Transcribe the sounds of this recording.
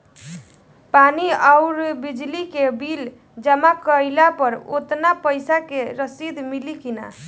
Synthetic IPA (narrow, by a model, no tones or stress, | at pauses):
paniaʊɾbid͡ʒlikebil | d͡ʒəmakəjlapəɾo̰t̪napəjsakeɾəsid̪ʱmilikina̰